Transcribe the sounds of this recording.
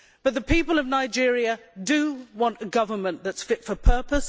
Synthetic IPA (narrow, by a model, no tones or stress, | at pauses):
b̥ʌt̪̚ðəpʰiˑpəlˠʌvnaɪd͡ʒɪɹiədəwɒ̃ntəɡʌvəmə̃nðətsfɪtfəpʰɜ˞pəs